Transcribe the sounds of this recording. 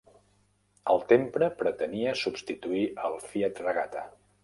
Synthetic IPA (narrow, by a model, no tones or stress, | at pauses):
əlˠt̪empɾəpɾət̪əniəsubst̪it̪uiʔəlˠfiət̪rəɣat̪ə̰